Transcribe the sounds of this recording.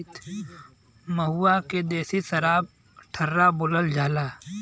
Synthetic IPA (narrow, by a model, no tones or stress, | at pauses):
t̪ | məɦuːaked̪eːsisəɾaːb̚ | ʈʰəɾːabʊləld͡ʒʱaːlaː